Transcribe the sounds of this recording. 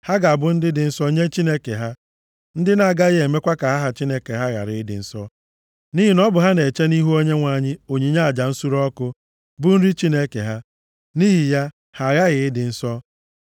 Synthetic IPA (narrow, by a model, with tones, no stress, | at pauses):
ha˦ɡa˨a˨bʊ˦n̩˦dɪ˦dɪ˨n̩˦sɔ˦ɲe˦t͡ʃi˦ne˦ke˨ɦa˦ | n̩˦dɪ˦na˨ɡa˦ɣe˨me˦kʷa˦ka˨ɦa˦ɦa˨t͡ʃi˦ne˦ke˨ɦa˦ɣa̰˨ɾɪ˨ɪ˦dɪ̰˨n̩˦sɔ˦ | ni˦ɦi˨nɔ˦bʊ˨ɦa˦ne˨t͡ʃe˦ni˦ɦu˦o˦ɲe˦ŋʷa˨ɲɪ˦o˨ɲi˨ɲa˦a˨d͡ʒa˨n̩˦su˦ɾɔ˦kʊ˦ | bʊ˦n̩˦ɾi˦t͡ʃi˦ne˦kḛ˨ɦa˦ | ni˦ɦi˨ja˦ | ha˨ɣa˦ɣɪ˨ɪ˦dɪ˨n̩˦sɔ˦